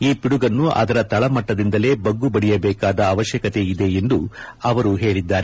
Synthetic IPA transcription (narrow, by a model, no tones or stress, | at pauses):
iːpiɽuɡɐnːuʔɐ̰d̪ɐɾɐt̪ɐɭɐmɐʈːɐd̪ind̪ɐle̞ːbɐɡːubɐɽijɐbɛːkaːd̪ɐːʋɐʃjɐkɐt̪e̞id̪e̞end̪uɐʋɐɾuɦe̞ːɭid̪ːaːɾe